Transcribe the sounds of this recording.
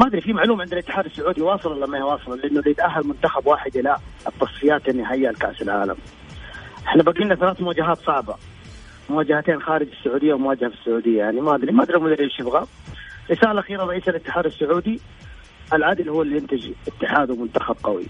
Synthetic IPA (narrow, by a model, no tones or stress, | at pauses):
mad̪ɾifimaʕluːmʕɪnd̪ɪlɪt̪ːɪ̥ħaːd̪ɪsːʊʕuːd̪iwɑːsˤɨlɑlamːawɑːsˤɨlɑlɪʔɪnːʊlijɪt̪ʔaɦːalmʊnt̪axabwaːħɪd̪ʔɪlat̪ːɑsˤfɪjaːt̪ʔɪnːiɦajːalka̰ʔsɪlʕa̰ːla̰m | ʔɪħnabaɡiːnːaθalaːθmʊwaːd͡ʒaɦaːt̪sˤɑʕba̰ | mʊwaːd͡ʒahat̪eːnxaːɾɪd͡ʒɪsːʊʕuːd̪ɪjːawmʊwaːd͡ʒahafɪsːʊʕuːd̪ɪjːajaʕnimad̪ɾimad̪ɾimʊd̪ɾiʃɪbɣa | ɾɪsaːlaʔaxiːɾɑˤɑʔiːsalɪt̪ːɪħaːd̪ɪsːʊʕuːd̪i | ʔalʕad̪ɪlhʊːɪlːijɪnt̪ɪd͡ʒʔɪt̪ːɪħaːd̪wmʊnt̪axab̚qɑwḭ